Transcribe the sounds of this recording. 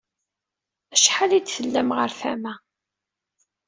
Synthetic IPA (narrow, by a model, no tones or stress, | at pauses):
æʃħalid̪θəlːæmʁəɾfæmæ